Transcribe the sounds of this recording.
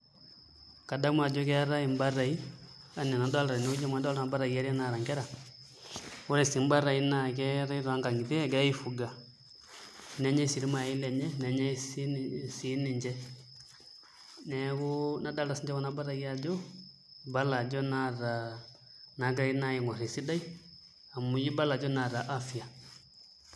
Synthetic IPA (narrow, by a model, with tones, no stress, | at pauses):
ka˨da˦mwa˨d͡ʒɔ˦kɛ˦ɾa˦i˨mba˦ɾa˨i˦ | a˨n˨ɛ˨na˨da˦la˨ɾa˨nɛ˨u˦d͡ʒɔ˦mwa˨˦da˦la˨a˨˦ba˦ɾa˨i˨a˦ɾɛ˦na˨ɾa˨ŋɡɛ˦ɾa˨ | ɔ˦ɾɛ˨si˨˦m˦ba˦ɾa˨i˦na˨kɛ˦ɾa˦i˦ɾa˨˦ŋɡa˨ŋi˨tɛ˦ɛ˦kɛ˦i˦fu˨ɡa˨ | nɛ˦ɲɛ˦si˨ɾi˦ma˨i˦lɛ˨ɲɛ˦nɛ˨ɲɛ˦ssi˨˦ni˨ɲd͡ʒɛ˦ | nɛ˨ɣu˦na˨da˦la˨si˨ɲd͡ʒɛ˦ɣɔ˦na˦ba˦ɾa˨i˦ja˦d͡ʒɔ˦ | ba˦la˨d͡ʒɔ˦na˦ɾa˨ | na˨ɡɾa˦i˦na˦ji˨ŋwa˨ɾɛ˨si˦da˦i˦ | a˨mu˨ji˦ba˦la˨d͡ʒɔ˦na˨ɾa˨ʔa˦fi˨a˨